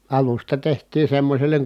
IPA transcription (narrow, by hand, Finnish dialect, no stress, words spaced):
ɑlustɑ tehtˑiː semːosʲelːeŋ